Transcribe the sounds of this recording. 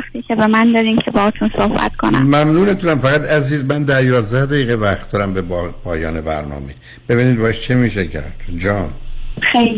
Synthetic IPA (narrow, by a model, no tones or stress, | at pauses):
xt̪iːcʰebemænd̪ɒːɾiːmcʰebɒɒːt̪ʰunsohbæ̰t̪kʰo̰næ̰mmæmnuːnet̪ʰunæmfæɣæt̪ʰæziːzmænd̪æɾjɒːzd̪æhd̪æjiːɣevæχt̪d̪ɒːɾæmbebpʰɒːjɒːnebæ̰ɾnɒ̰ːme | b̥e̞βiːnid̪bɒeʃt͡ʃʰemiːʃecʰæ̰ɾd̪̥d͡ʒɒːnxe